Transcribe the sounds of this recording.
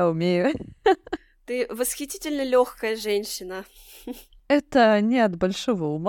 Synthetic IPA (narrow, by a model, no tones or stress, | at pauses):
ʊmʲejʊ | t̪ɨvəsxʲɪtʲitʲɪlʲnəlʲoxkəjəʐɛnʲɕːɪnə | ɛt̪ənʲɪɐt̪bɐlʲʂovəʊm